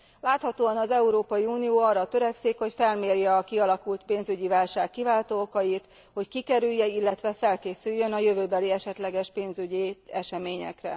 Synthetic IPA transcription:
laːt̪hɒt̪oːɒnɒzɛuɾoːpɒjiuːnijoːɒrːɒt̪øɾɛksikho̞cfɛlmeːrjɛɒkiɒlɒkult̪peːnzyɟivaːlʃaːkːivaːlt̪oːkɒjit̪ | ho̞ckikɛɾyjːɛilːɛt̪ʋɛfɛlkeːsyjːø̞nɒjøvøːbɛliɛʃɛt̪lɛɡɛʃpeːnzyɟiɛʃɛmeːɲɛ̰krɛ̰

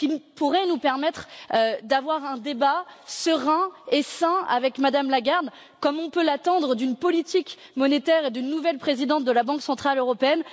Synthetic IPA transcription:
kʲipuʁɛnupɛʁmɛt̪χd̪avwaʁɛ̃d̪ebasəʁɛ̃esɛ̃a̰vɛkmad̪amlaɡaʁd̪ | kɔmɔ̃pølat̪ɑ̃d̪ʁəd̪ynpɔlit̪ikmɔnet̪ɛʁed̪ynːuvɛlpχezid̪ɑ̃t̪̚d̪əlabɑ̃ksɑ̃t̪χaløʁɔpeɛn

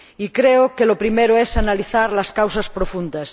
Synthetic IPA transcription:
ikɾeokelopɾimeɾoesanaliθaɾlaskawsaspɾofũnd̪as

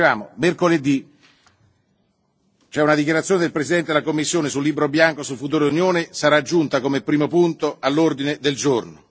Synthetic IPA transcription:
aːmomerkoled̪i | t͡ʃoɛunad̪ik̬jaɾat̪sjoːned̪elpɾesid̪ɛnt̪ed̪elakomːisːjoːnesulːiːbɾobjaŋkosulfut̪̬uːɾeunjoːnesaɾad͡ʒːunt̪akomepɾiːmopunt̪oalːord̪ined̪eld͡ʒorno

